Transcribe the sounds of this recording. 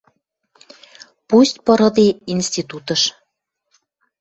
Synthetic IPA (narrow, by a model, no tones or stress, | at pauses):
pusʲt̪̚ʲpɤ̆ɾɤ̆d̪einst̪ʲit̪ut̪ə̆ʃ